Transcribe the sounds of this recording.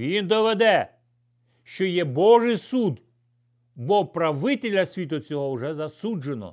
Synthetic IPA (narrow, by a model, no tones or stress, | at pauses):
ʋʲind̪ɔʋed̪ɛ | ʃt͡ʃɔjɛbɔʒɪjsud̪ | bɔpɾɐʋɪt̪elʲɐsʲʋʲit̪ʊt͡sʲɔɦɔwʐɛzɐsud͡ʒenɔ̰